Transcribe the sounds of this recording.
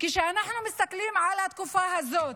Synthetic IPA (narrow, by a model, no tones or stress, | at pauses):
kɪʃanaħnumɪst̪akliːmʕalat̪̚kufaːhazːoːt̪